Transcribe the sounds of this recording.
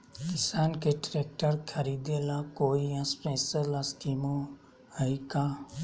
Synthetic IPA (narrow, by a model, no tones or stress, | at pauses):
kɪsaːnkeʈɾeːk̚ʈəɾkʰəɾiːd̪elakoːijãspeːsəlaskiːmõ | hɐikaː